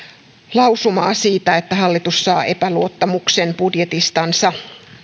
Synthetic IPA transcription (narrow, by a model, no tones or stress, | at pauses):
lɑwsumɑːsiːt̪æet̪ːæɦɑlːit̪usːɑːʔe̞pæluot̪ːɑmuksenbudjet̪ist̪ɑnsɑ